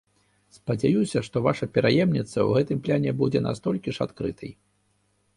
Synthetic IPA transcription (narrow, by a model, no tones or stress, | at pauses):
spɐd͡zʲajusʲɐʂt̪ɔvaʂɐpʲɛɾajɛmnʲit̪sːɐ̰wɣɛt̪ɨmplʲanʲɛbud͡zʲɛna̰st̪ɔlʲkʲiʂat̪kɾɨt̪ʰɐj